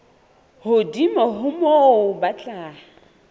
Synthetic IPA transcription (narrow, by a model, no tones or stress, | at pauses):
hʊdimɔɦʊmoʊbat͡ɬʼaː